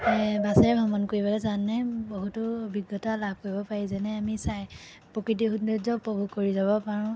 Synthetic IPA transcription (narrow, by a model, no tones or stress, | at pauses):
basɛɹɛbʱɔmɔnkoɹibɔlɛzanːɛboɦutʊbʱiɡːɔtalab̚koɹibɔpaɹizɛnɛamisaj | pɹokɹit̬iɦunduzɔpɹɔbʱukoɹizabɔpaɹɔ̃